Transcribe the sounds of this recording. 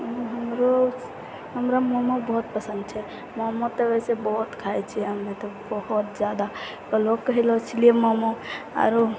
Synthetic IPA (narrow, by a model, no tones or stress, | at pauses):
ɦəmɾo | ɦəmɾamɔmobɔɦut̪̚pəsənd̪̚t͡ʃʰɛ | mɔmot̪eɛsebɔɦut̪kʰaɛt͡ʃʰiɦəmːet̪ɔbəɦut̪̚d͡ʒjad̪a | kəlokːəɦilɔt͡ʃʰiliemɔmoa̰ɾo